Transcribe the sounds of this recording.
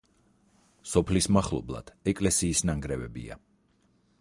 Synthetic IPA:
sɔpʰlismaχlˠɔ̰blˠa̰d̪̥ɛkʼlɛsiːsnaŋɡɾɛvɛbḭa̰

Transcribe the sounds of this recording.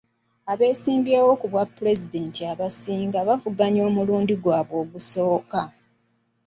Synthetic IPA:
aβe̞ːsiːmbjeːwo̞kuβwapːuɾe̞zide̞ntʰiaβasiːŋɡaβavuɡaɲo̞ːmuluːndiɡwaːβwo̞ːɡuso̞ːka

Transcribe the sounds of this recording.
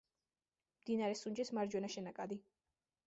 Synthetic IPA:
md̪inaɾɛsund͡ʒismaɾd͡ʒwɛnaʃɛnakʼad̪i

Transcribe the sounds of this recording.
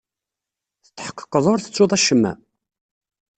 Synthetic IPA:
θə̥t̪ːħə̥qːə̥qːəðˤʊɾθə̥t͡sːʊðˤæʃːəmːæ̰

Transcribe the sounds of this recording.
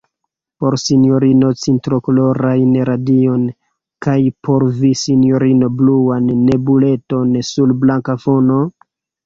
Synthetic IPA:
po̞ɾsinjo̞ɾino̞t͡sintɾo̞kolo̞ɾajnɾadio̞n | kajpʰo̞ɾvisinjo̞ɾino̞bluanːe̞bule̞to̞nsulblaŋkafo̞no̞

